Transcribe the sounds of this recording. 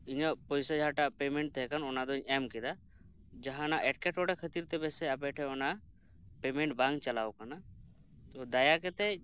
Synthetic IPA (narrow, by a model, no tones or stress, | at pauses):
iɲɔpɔjsad͡ʒaʈapɛmɛɳʈ̚t̪ʰɛkanɔnad̪ɔiɲɛmkɛd̪a | d͡ʒaɦãnaʔɛʈ̚kɛʈɔɽɛkʰət̪iɾt̪ɛbɛsɛapɛʈʰɛɔna | pɛmɛɳʈbaŋɡt͡ʃalawkana | t̪ɔd̪ajakɛt̪ɛ